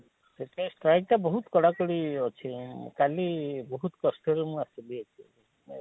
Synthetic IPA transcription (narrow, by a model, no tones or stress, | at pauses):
seʈesʈɾajk̚ʈabɔɦut̪kɔɽakɔɽiɔt͡ʃʰikalibɔɦut̪kɔsʈɔɾemũasɔliet͡ʃʰi